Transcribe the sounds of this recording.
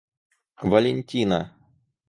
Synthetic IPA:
vɐlʲenʲtʲinɐ̰

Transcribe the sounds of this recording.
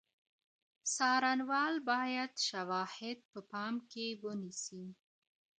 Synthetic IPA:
sɑɾanwɑlbɑjad̪ʃawɑhɪd̪̚pəpɑmkewənisi

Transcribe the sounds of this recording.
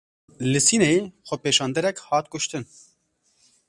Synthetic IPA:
lɨsiːnejexʷɛpeːʃɑːnd̪ɛɾɛkhɑːt̪̚kʊʃt̪ɨn

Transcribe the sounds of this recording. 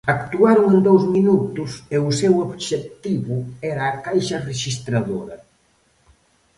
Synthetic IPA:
akt̪uaɾuŋend̪owzminut̪useusɛwoβʃet̪iβuɛɾaːkajʃɐreʃist̪ɾaðoɾɐ

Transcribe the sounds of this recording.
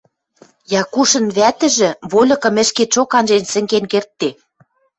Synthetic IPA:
jɑkuʃɤ̆nβæt̪ɘ̆ʒɘ̆βolʲɤ̆kɤ̆mɘ̆ʃket͡ʃokɑnʒensɘ̆ŋkenkert̪ːe

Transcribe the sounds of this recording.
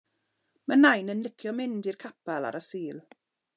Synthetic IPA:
mənajnənlɪkʰjɔmɪndirkʰapalˠa̰ɾəsiːlˠ

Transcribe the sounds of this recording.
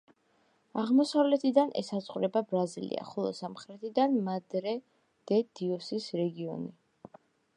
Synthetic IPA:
aʁmɔsavlɛt̪ʰid̪anʔɛ̰sasʼqʼuɾɛbabɾazilḭa̰χɔlˠɔ̰samχɾɛt̪ʰid̪anmad̪ɾɛ | d̪̥ɛd̪̥iɔsisɾɛɡiɔ̰ni

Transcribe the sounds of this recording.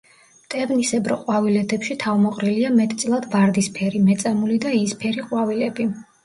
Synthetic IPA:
t̪ʼɛvnisɛbɾɔqʼwavilɛd̪ɛpʃit̪ʰavmɔqʼɾiliamɛt̪ʼt̪sʼlˠad̪vaɾd̪ispʰɛɾimɛt̪sʼɛmulid̪aispʰɛɾiqʼwavilɛbi

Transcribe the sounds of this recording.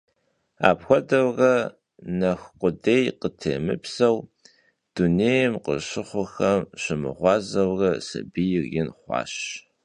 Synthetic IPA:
a̰ːpxʷɔdɐwrɐ | nɐxqʷʊdeːjqətʰḛːmɨpsɐw | d̥uneːjɛmqəɕɪχʷʊxɐmɕɪmɨ̰ʁʷɑːzɐwrɐsɐ̰bijɪrjɪnχʷɑ̰ːɕ

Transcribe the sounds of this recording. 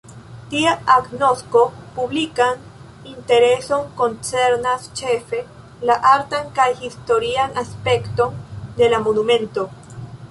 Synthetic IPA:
tiaaɡno̞sko̞publikan | inte̞ɾe̞so̞nko̞nt͡se̞ɾnast͡ʃe̞fe̞ | laʔaɾtankajhisto̞ɾianaspe̞kto̞nde̞lamonumẽ̞nto̞

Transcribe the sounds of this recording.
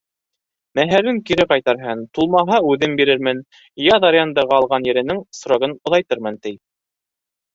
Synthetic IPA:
mæɦæɾɘŋkiɾɘqɑjt̪ɑɾɦɤnt̪ulˠmɑɦɑʉðɘmbiɾɘɾmɘn | jɑðɑɾʲjand̪ɑʁɑːlˠʁɑnjɘ̆ɾɘ̆nɘŋsŏɾoɣɤnŏðɑjt̪ɤɾmɤnt̪ɘj

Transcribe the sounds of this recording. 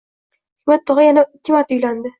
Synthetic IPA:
mat̪ːɒʁɑjanat̪ʰːimat̪ʊjland̪ɪ

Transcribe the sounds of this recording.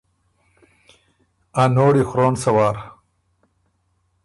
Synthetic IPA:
anoːɽixɾoːnsɐwaːɾ

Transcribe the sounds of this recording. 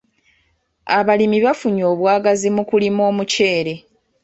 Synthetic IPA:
aβalimiβafuɲo̞ːβwaːɡazimukulimo̞ːmuce̞ːɾe̞

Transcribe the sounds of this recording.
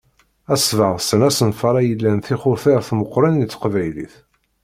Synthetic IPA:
æsvəʁsənæsənfɑɾˤæjəlːænθiχʊɾθeɾθməqːɾˤənit͡sːə̥qvæjlḭθ

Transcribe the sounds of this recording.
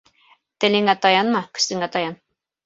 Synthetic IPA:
t̪ɘ̆lɘ̆ŋæt̪ɑjɑnmɑkɵ̥̆st̪ɘ̆ŋæt̪ɑjɑn

